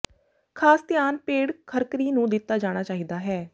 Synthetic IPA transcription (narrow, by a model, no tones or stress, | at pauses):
kʰaːst̪ɪjaːnpeːɽkʰəɾkəɾiːnũːd̪ɪt̪ːaːd͡ʒaːɽ̃aːt͡ʃaːɦiːd̪aːɦɛː